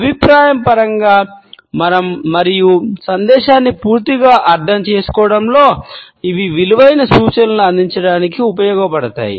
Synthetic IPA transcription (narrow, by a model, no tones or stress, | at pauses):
ɐbʱipɾaːjɐmpɐɾɐŋɡaː | mɐnɐmːɐɾijusɐnd̪ɛːʃaːnːipuːɾt̪iɡaːʔɐɾd̪ʱɐmt͡ʃe̞ːsu̥kɔːɽɐmlo̞ː | iʋiʋiluʋɐjnɐsuːt͡ʃɐnɐnuɐnd̪ʱiɲt͡ʃɐɽaːnikiupɐjɔːɡɐpɐɽɐt̪a̰ːjḭ